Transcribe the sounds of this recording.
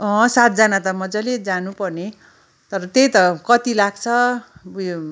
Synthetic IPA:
ʌ̃sat̪̚d͡zanat̪ʌmʌd͡zʌled͡zanupʌrne | t̪ʌɾʌt̪ejt̪ʌkʌt̪ilaɡt͡sʰʌ

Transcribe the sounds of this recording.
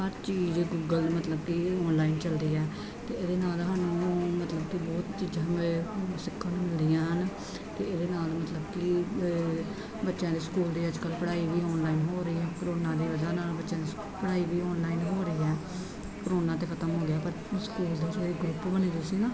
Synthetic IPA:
ɦəɾt͡ʃiːd͡ʒɡuːɡəlmət̪ləb̚kiɔːnlaːint͡ʃəld̪iːɛː | t̪eːeːd̪eːnaːlɦaːnũːmət̪ləbkɪbɔːt̪t͡ʃiːd͡ʒãːesɪkʰːənmɪld̪ɪjãːɦən | t̪eːeːd̪eːnaːlmət̪ləbki | bətːʃãːd̪iːskuːld̪iːəd͡ʒkəlpəɽaːiːbiːɔːnlaːinɦoːɾəiːɛːkəɾoːnãːd̪iːʋəd͡ʒaːnaːlbətːʃãːd̪iːs | pəɽaːiːbiːɔːnlaːinɦoːɾəiːɛː | kəɾoːnãːt̪eːkʰət̪əmɦoːɡeaːpəɾ | skuːld̪eːsiːɡɾʊpbəniːd̪ʊsiːnãː

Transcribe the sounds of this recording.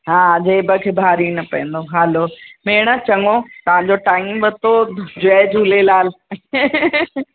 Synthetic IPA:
ɦaːd͡ʑeːbəkʰebʱaːɾinɐpɐjə̃nd̪oɦɛːloːmeːɽ̃ət͡ɕɐŋot̪ɐʋ̤ãːɲd͡ʑoʈaːimbət̪od͡ʑʊeːd͡ʑʱulelaːl

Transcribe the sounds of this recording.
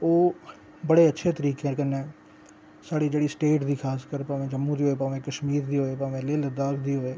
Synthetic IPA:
oː | bəɽeːətːʃʰeːt̪əɾiːkẽːkənẽː | saːɽiːd͡ʒeːɽiːsʈeːʈd̪iːkʰaːskəɾpaːʋẽːd͡ʒəmːũːd̪iːɦoːeːpaːʋẽːkəʃmiːɾd̪iːɦoːeːpaːʋẽːleːləd̪aːkd̪iːɦoːeː

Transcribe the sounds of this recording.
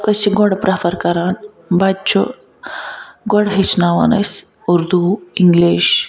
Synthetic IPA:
kɐsiɡɔɽpɾɐfɐɾkɐɾaːn | bɐt͡ʃʰu | ɡɔɽɦet͡ʃʰnaːʋɐ̰nɐs | uɾd̪uiŋɡliːʃ

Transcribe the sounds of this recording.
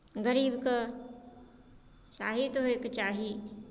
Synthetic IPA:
ɡəɾiːbka | saːɦit̪ɦekt͡ʃaːɦi

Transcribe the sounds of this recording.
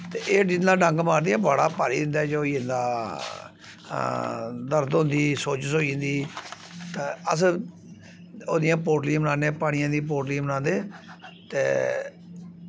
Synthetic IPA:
t̪eːʔeːd͡ʒɪnãːɖə̃ŋɡmaːɾd̪ijãːbəːɽaːpaːɾiːd̪ɪnd̪aːd͡ʒoːiːɪ̃nd̪aː | d̪əɾd̪ɦʊ̃nd̪iːsoːt͡ʃsoːĩnd̪iː | t̪aːəs | oːd̪ɪjãːp̬oːɾʈlĩːbənaːneːpaːɽ̃ɪjãːd̪iːp̬oːʈlĩmənãːnd̪eːt̪ḛː

